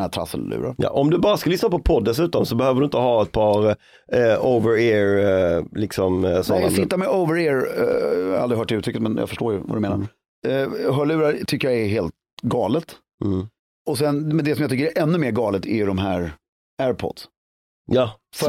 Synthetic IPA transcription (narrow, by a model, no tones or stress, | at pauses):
æt̪ʰɾa̰sə̰llːʉ̰ːɾa̰jɑ̰ʔɔmd̪ɵbɑːɾaskalʏsnapʰɔpʰɔd̪ːɛs̬ʉ̟ːt̪ɔmsɔbɛhøːvəɖɵɪnt̪əhɑːɛt̪̚pʰɑːɾ | ovəɾeːɹlɪksɔmsɔnːasɪt̪ːaɾmɛʔəʊvəɾeːɾ | halɾɪɦœːʈɪʉːt̪ɾʏkːət̪mɛnjɑ̰fəʂʈoːɾjvɑ̰d̪ɵmeːnaɾ | ɦœːɭʉ̟ːɾat̪ʰʏkːəjaɛɾɦeːlt̪̚ | ɡɑːlət̪ː | ɔsɛnmɛnd̪ɛsɔmjɑt̪ʰʏkːəɾɛʔɛnːɵmeːɾɡɑːlət̪ʰæjɖɔmɦæːɾ | æːɾpʰɔ̰d̪̥s | jɑːs